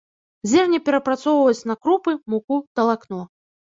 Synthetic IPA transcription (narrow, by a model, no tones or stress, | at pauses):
zʲɛrnʲɐpʲɛɾɐpɾat̪sɔwvɐjut͡sʲnɐkɾupɨmukut̪ɐlˠaknɔ